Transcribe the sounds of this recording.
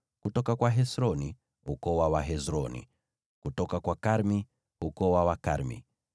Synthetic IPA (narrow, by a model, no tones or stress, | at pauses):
kutɔkakwaɦɛsɾɔni | ukɔwawaɦɛzɾɔnḭ | kutɔkakwakaɾmi | ukɔwawaka̰ɾmḭ